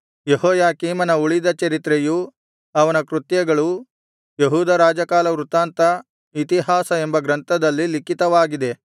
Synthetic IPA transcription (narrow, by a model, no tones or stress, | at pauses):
jehɔːjaːkiːmɐnɐuɭid̪ɐt͡ʃɐɾit̪ɾeju | ɐʋɐnɐkɾut̪jɐɡɐɭu | jeɦuːd̪ɐɾaːd͡ʒɐkaːlɐʋɾut̪aːnt̪ɐ | it̪iɦaːsɐembɐɡɾɐnt̪ʰɐd̪ɐlːilikit̪ɐʋaːɡid̪e̞